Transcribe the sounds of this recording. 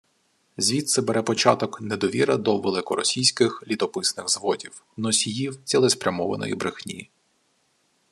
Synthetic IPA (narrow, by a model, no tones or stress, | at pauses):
zʲʋʲit̪sɛbɛɾɛpɔt͡ʃɑt̪ɔknɛd̪ɔʋʲiɾɐd̪ɔʋelˠɪkɔɾɔsʲijsʲkɪxlʲit̪ɔpɪsnɪɣzʋɔdʲiw | nɔsʲijiwt͡sʲilˠɛspɾʲɐmɔʋɐ̰nɔ̰jḭbɾɪxnʲiji